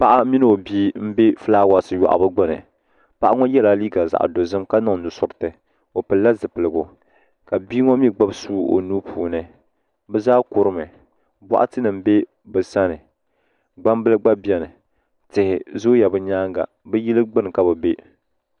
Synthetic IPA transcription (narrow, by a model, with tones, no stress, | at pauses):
pa˦ʔa˦mi˦n˦o˨biː˦m̩˦be˦fɨ˦laː˦wa˨sɨ˨ja̰˨ʔa̰˨bɨ˦ɡ͡bɨ˦nɨ̰˨ | pa˦ʔa˦ŋɔ˦jɛ˦la˨˦li˦ɡa˨za̰˨ʔa̰˨do˨zɨ˦mka˦na˨ŋ˨nʊ˨sʊ˨ɾɨ˨tɨ˨ | o˨pɨ˨˦a˦zɨ˨pɨ˨lɨ˨ɡʊ˨ | ka˨biː˦ŋɔ˦mi˦ɡ͡ba˦bsuː˦o̰˨nuː˦pʰuː˨nɨ˦ | bɛ˦zaː˦kʊ˨ɾɨ˦mɨ˨ | ba̰˦ʔa̰˦tɨ˦nɨ˨m̩˦be˦ | bɨ˨sa˦nɨ˨ | ɡ͡ba˦mbɨ˦lɨ˦ɡ͡ba˦bi˨ɛ˨nɨ˨ | tɪ˨hɪ˨zo˦ja˨bɨ˦ɲaː˦ŋɡa̰˨ | bɨ˦ji˦lɨ˦ɡ͡bɨ˦nɨ˨ka˨bɨ˨be˦